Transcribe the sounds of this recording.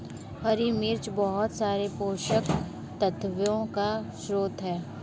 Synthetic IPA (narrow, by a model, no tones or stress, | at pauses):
hɐɾimɪɾt͡ʃbɔɦʊt̪saːɾepoːʃək | t̪ət̪ʋjõkaʃɾoːt̪ɦɛː